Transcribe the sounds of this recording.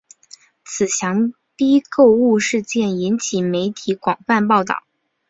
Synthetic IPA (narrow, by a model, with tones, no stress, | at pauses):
t͡sʰɹ̩˨˩ɕjɑ˧˥ŋ | ti˥ko˥˧ʊu˥˧ʂɻ̩˥˧t͡ɕjɛ˥˩ni˧˥nt͡ɕʰi˨˩me˧˥ɪt̪ʰi˧˥kwɑ˨˩ŋfa˥˧npɑ˥˧ʊt̪ɑ̰˥˩ʊ